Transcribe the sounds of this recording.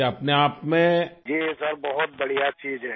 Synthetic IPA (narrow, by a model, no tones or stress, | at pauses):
ɐpneaːpmẽd͡ʒiːsɐɾbɐɦʊt̪̚bɐɽijat͡ʃiːd͡ʒɦɛː